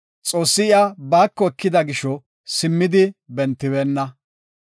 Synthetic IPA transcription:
t͡sʼo̞ːsːɪɪabaːkːɔɛkːɪd̪ɐɡɪʃɔ | sɪmːɪd̪ɪbɛnt̪ːɪbeːnːɐ

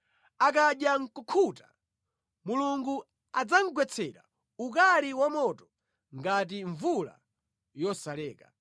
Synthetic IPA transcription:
ak̬aɗjaŋ̩kukʰuta | muluŋɡu | ad͡zaŋ̩ɡwɛt͡sʰɛɾa̰ | ukaliwamɔtɔ̥ | ŋɡat̬iɱvula̰ | jɔsalɛːka

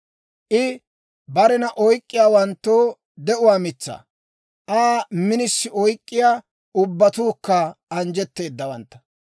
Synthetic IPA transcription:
ʔɪ | bɐɾɛnɐʔɔjkʼːɪjaːwɐnt̪ːoː | d̪ɛʔʊwaːmɪt͡sːa̰ | ʔaːmɪnɪsːɪɔjkʼːɪjaː | ʊbːɐt̪uːkːɐɐnd͡ʒɛt̪ːe̞ːd̪ːɐwɐnt̪ːɐ̥

